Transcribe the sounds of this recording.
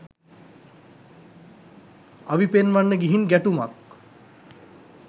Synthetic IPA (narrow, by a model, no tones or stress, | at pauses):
aʋipenʋanːəɡiɦinɡæʈumak